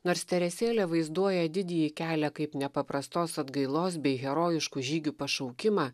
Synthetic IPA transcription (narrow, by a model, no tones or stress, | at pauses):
noːɾst̪ʲɛɾʲɛsʲeːlʲɛʋɐɪzd̪uɔjɛd̪ʲɪd̪ʲɛjikʲæːlʲɛkɐɪpnʲɛpɐpɾɐst̪oːsɐd̪ɡɐɪlˠoːs̬bʲɛɪɣʲɛɾoːjɪʃkuːʒʲiːɡʲupɐʃɒʊkʲɪmɑː